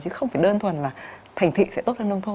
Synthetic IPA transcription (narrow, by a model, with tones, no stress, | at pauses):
t͡ɕɨ˨˦xə˧wŋ͡mfaː˧˩jɗəː˧nt̪ʰwə˨˩nlaː˨˩t̪ʰa˨˩jŋ̟t̪ʰḭ˧˨sɛ̰˧˥o˦˥lə˧nɗə˧wŋ͡mt̪ʰo˧